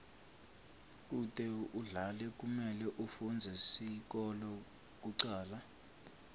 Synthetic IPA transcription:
k̬ʼutʼɛuɮalɛk̬ʼumɛlɛʔufund͡zʱɛsik̬ʼɔlɔ | k̬ʼuǀaːla

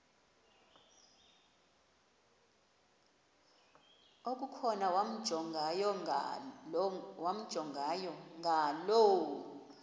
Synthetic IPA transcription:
ok̬ʼukʰɔnawam̩ʱɔŋajɔ | wam̩d̥ʒ̥ʱɔŋɡajɔŋɡʱalowu

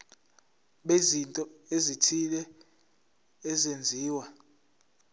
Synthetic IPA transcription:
ɓezintʼɔezitʰilɛ | zend͡zʱiːwa

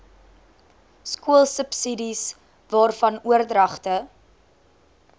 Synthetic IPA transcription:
skuəlˠsəpsidis | vɑːrfɐnuərdrɐχtə

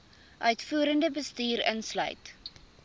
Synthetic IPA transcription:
ʔœɥtfuəɾəndəbəstyːɾə̰nslœ̰ɥt

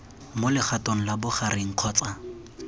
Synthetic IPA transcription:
molɪχatoŋ̩labʊχaɾɪŋ̩q͡χʰɔːt͡sa

